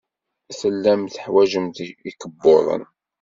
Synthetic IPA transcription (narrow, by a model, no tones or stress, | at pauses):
θəlːæmθəħwæʒəmt̪ikəbːoðˤə̰n